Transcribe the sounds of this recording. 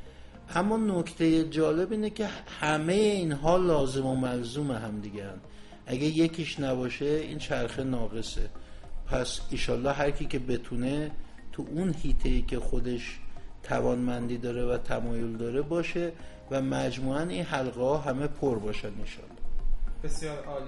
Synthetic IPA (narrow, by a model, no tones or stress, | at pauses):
ʔæmːɒːnocʰt̪ʰe̞jed͡ʒɒːle̞biːnecʲʰe̞hæme̞jeiːnɦɒːlɒːze̞mo̞mælzumeɦæmd̪iɡeænd̪ | ʔæɡæje̞cʰiːʃnæbɒːʃe̞ḭnt͡ʃʰæɾxenɒːɣe̞sepʰæsinʃɒːlːɒːɦæɾcʰiːcʰe̞be̞t̪ʰune̞ | t̪ʰuʔunhiːt̪ʰeiːcʰe̞xod̪e̞ʃt̪ʰævɒːnmænd̪iːd̪ɒːɾevæt̪ʰæmɒːjold̪ɒːɾe̞bɒːʃe̞ | væmæd͡ʒmuːæninɦælɢehɒːɦæme̞pʰoɾbɒːʃæninʃɒ̰ːlːɒhbesjɒːɾ